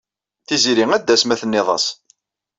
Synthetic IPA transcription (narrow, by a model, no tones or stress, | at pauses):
θiziɾiŋæd̪ːæsmæθənːɪðˤɑ̰s